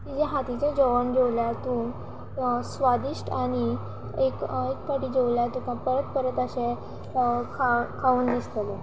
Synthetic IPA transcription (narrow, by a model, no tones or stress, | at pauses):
t̪id͡ʑɛɦat̪it͡ɕad͡ʑoʋəɳd͡ʑeʋljat̪uːn | sʋad̪iʂʈaɽ̃i | ekekkaʈiːd͡ʑeʋljat̪ũkãpəɾət̪̚pəɾət̪əɕe | kʰakʰauːnd̪ist̪əle